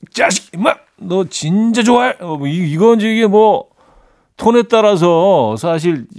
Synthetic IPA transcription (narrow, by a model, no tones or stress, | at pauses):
t͡ɕaɕi̥k̚ma | nʌt͡ɕint͡ɕad͡ʑoaiiɡʌnd͡ʑiɡemwʌ | tʰonɦe̞t̚t͈aɾas̬ʰʌsʰaɕ̬ʰiɭ